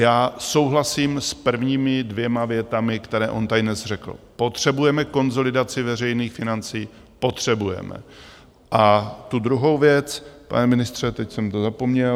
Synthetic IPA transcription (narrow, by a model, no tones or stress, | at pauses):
jaːso̞wɦlasiːmspr̩vɲiːmɪdvjɛmavjɛt̪amɪkt̪ɛɾɛːʔo̞nt̪ajdnɛsr̝ɛkl̩po̞t̪r̝̥ɛbujɛmɛko̞nzo̞lɪdat͡sɪvɛrɛjniːxfɪnant͡siː | po̞t̪r̝̥ɛbujɛ̰mɛ̰ | ʔat̪ud̪ɾuɦo̞wvjɛt͡spa̰nɛmɪnɪst̪r̝̥ɛt̪ɛcsɛmt̪ozapo̞mɲɛl